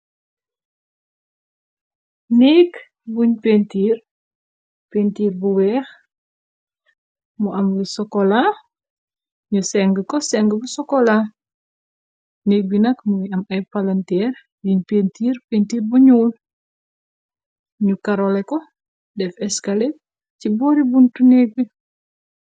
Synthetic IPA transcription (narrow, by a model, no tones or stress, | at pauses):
nɛːk | buɲpentiːr | pentiːɾbuwɛːx | muʔɐmlisɔkɔla | ɲusɛŋɡəkɔsɛŋɡəbusɔkɔla | nek̚binɐkmujiɐmɐjpalɐntɛːɾ | jiɲpentiːɾpentiːrbuɲuːl | ɲukaɾolɛkɔ | dɛfɛskale | cibɔɾibuntuneːk̚bi